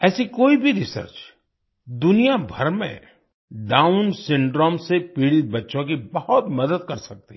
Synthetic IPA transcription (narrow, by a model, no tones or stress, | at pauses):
ɛːsikoːibʱiɾɪsə̰ɾt͡ʃ | d̪ʊnijabʱɐɾmḛ̃ | ɖãːʊnsɪ̃ɳɖɾoːmsepiːɽibɐtːʃõk̬ibɐhʊt̪mɐd̪əd̪̚kɐɾsɐk̚t̪i̥